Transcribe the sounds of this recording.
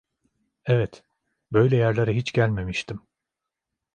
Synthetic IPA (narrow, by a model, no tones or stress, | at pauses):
ɛvɛt̪ | bø̞jlʲɛjæɾlʲˠaɾaɦit͡ʃɟælʲme̞miʃt̪ʰim